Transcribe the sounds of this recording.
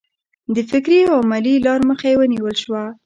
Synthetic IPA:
d̪əfɪkɾiawmalilɑɾməxajewəniwəlʃwa

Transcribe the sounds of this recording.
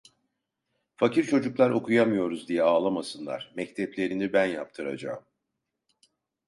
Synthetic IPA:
faciɾt͡ʃʰo̞d͡ʒuklˠaɾo̞kʰujamɯjo̞ɾuzd̪ijɛaːlˠamasɯnlˠa̰ɾ̥mɛct̪ʰɛplʲe̞ɾinibænja̰p̚t̪ʰɯɾa̰d͡ʒa̰ɯm

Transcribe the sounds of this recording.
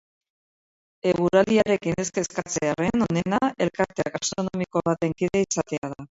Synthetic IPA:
e̞ɣuɾaliaɾe̞kine̞skeskat͡seare̞no̞ne̞nae̞lkaɾt̪eaɣast̪ɾo̞nomiko̞βat̪e̞ŋkiðeisat̪e̞að̞a

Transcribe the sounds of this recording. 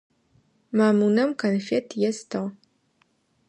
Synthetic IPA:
maːmunɐmkʰɐnfetʰjɛstʰɐʁ

